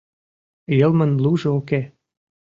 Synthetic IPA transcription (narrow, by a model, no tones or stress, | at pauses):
jɤ̆lmə̆nluʒɤoke